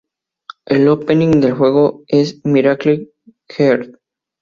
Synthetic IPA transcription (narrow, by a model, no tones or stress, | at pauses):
ʔelopenĩŋd̪elxwe̞ɣoesmiɾakli | xeɾd̪